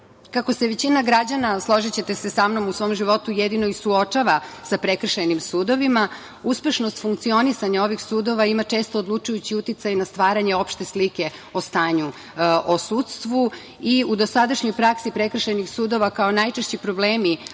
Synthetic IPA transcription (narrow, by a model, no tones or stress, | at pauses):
kako̞se̞ʋe̞t͡ɕinaɡɾad͡ʑanaslˠo̞ʒit͡ɕe̞t̪esesamno̞musʋoːmʒiʋo̞t̪ujed̪ino̞isuot͡ʂaʋasapɾekr̩ʃajnimsuːd̪o̞ʋima | uspe̞ʃno̞st̪fuŋkt̪sio̞nisaɲao̞ʋixsuːd̪o̞ʋaimat͡ʂe̞ːst̪o̞ːd̪lˠut͡ʃujut͡ɕiut̪it̪sajnast̪ʋaːɾaɲe̞o̞pʃt̪e̞slike̞o̞st̪aːɲu | osuːt̪st̪ʋu | iud̪o̞sad̪aʃɲo̞jpɾaksipɾekr̩ʃajnixsuːd̪o̞ʋakaonajt͡ʃeʃt͡ɕipɾo̞bleːmi